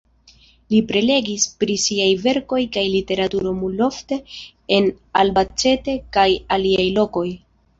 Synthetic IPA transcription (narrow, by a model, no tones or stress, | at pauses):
lipɾe̞le̞ɡispɾisiajve̞ɾko̞jkajlite̞ɾatuɾo̞multo̞fte̞ | en | albat͡se̞te̞kajaliajlo̞ko̞j